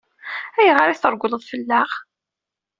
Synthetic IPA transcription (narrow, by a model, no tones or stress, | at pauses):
æjəʁɾiθəɾˤɡʷləðˤfəlːaχ